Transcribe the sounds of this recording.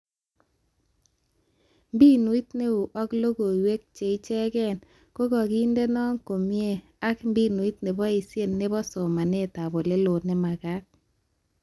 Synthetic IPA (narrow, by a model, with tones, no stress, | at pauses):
mbi˦nwi˦tne˦u˨ʔɔ˦klo˦ɡo˨we˦k̚t͡ʃe˨i˦t͡ʃɛ˦ɡɛ˦˨n | ko˦ɡɔ˨ɡi˦nde˦nɔ˦ŋko˨mje˦˨ | a˦kmbi˦nwi˦tne˨bɔ˦i˨sje˦˨nne˦bɔ˦sɔ˨ma˨ne˦˨ta˨bo˨le˦lo˨ne˦ma˨ka˦k̚